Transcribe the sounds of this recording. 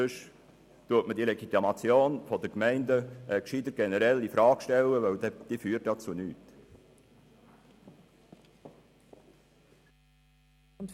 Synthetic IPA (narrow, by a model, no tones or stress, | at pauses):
øʃ | tuətmədiːlɛɡit̪imɑt͡sjoːnfodəkmɛɪndəkʃidəɡ̥ɛnəɾɛlifɾɑːɡʃtɛləʋœd̥iːfyːt̚dɑt͡sunyːt | n